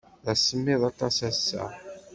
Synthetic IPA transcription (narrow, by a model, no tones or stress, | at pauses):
ðæsːəmːɪðˤɑt̪ˤɑsæsːæ̰